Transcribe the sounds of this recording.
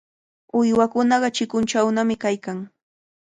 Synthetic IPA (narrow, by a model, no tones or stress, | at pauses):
ʊjwakʊnɑɢɑt͡ʃɪkʊnt͡ʃawnamɪkajkaŋ